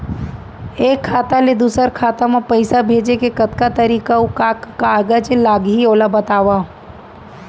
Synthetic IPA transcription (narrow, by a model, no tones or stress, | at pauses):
eːkʰːaːt̪aled̪uːsəɾkʰaːt̪amãpəɪsabʱeːd͡ʒekekət̪kat̪əɾiːkaukakːaːɡəd͡ʒlaːɡɦioːlabət̪aːʋa